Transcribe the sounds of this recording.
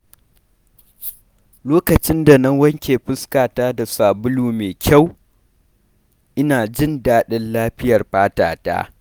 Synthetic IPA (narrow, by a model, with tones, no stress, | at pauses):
loː˦kɐ˨t͡ʃɪ˦nda˨nɐ˦ŋwɐ˦ŋkʲeː˨ɸɪ˦skaː˨taː˦da˨saː˨bʊ˦luː˨meː˨kʲʰa˦˨w | ʔɪ˦naː˨d͡ʒɪ˦ndaː˦ɗɪ˦nlaː˦ɸɪ˦jɐ˨rɸaː˦ta̰ː˨ta̰ː˦